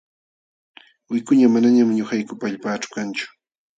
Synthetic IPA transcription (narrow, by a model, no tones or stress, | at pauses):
wɪjkʊɲamanaɲamɪɲʊxajkʊpaːʎpaːʈ͡ʂʊ̥kant͡ʃʊ̥